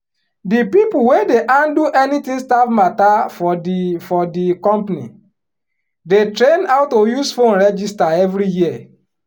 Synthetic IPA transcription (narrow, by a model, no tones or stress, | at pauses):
dipipuwedeʔãnduʔɛnitĩŋstafmatafɔfɔdikɔ̃mpanḭ | detɾẽnaʊtojuzfõnɹɛd͡ʒistaɛvɾijiə